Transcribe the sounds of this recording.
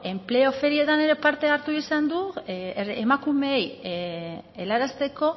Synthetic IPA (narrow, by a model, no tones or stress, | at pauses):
e̞mple̞o̞fe̞ɾie̞t̪ane̞ɾe̞paɾt̪e̞aɾt̪uisand̪u | emakume̞j | elaɾast̪e̞ko̞